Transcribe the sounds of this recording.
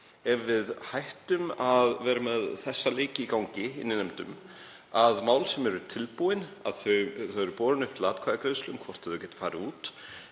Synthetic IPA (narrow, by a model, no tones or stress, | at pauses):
ɛɾvɪðhajht̪ʏmaðvɛːɾamɛðθɛsːaleːcɪikawɲcɪɪnːɪnɛmt̪ʏ̰m | aðmaːwlsɛmɛɾʏt̪ʰɪlpuwɪna̰ðθœθaɛɾʏpɔːɾʏnʏft̪laːt̪kʰaːðakɾeːslʏmkʰvɔrt̪hɛðʏcɛːt̪ḁfaːɾɪuːt̪